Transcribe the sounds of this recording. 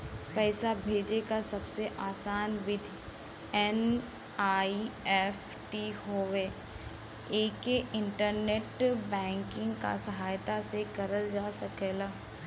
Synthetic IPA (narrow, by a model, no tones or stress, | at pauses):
pɛːsabʱeːd͡ʒekasɐbseʔaːsaːnʋɪd̪ʱ | ɛn | aːiɛf | ʈiɦoːweː | eːkeʔɪ̃ɳʈəɾneːʈbɛ̃ːŋkɪ̃ŋɡka̰sɐɦaːjt̪asekɐɾəld͡ʒaːsɐkeːlaː